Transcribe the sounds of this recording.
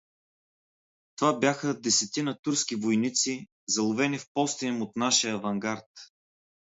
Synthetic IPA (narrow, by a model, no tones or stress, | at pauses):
t̪ovabʲjaxəd̪ɛsɛt̪inət̪uɾskivojnit̪si | zɐlˠʊvɛnifpɔst̪inɛmot̪naʃiəːvɐŋɡaɾt̪